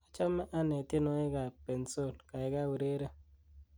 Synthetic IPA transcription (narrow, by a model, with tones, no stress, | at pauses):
a˦t͡ʃa˦me˦ʔa˦ne˨ti˦no˦e˦ɡa˨pe˨n̩˨˦so˦˨lka˨i˦ɡa˦we˨ɾe˦ɾe˦